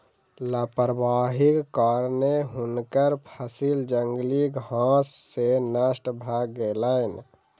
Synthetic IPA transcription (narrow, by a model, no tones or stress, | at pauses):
lapəɾbaɦikkɔɾneɦunkəɾpʰəsild͡ʒəŋɡlikɦãsːenəsʈbʱaɡːeləɪn